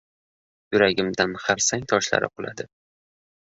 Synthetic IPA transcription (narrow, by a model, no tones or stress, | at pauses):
jʊɾaɡʲɪmd̪anhaɾsaŋt̪ʰɒʃla̰ɾɪ̰qʰʊlˠa̰d̪ɪ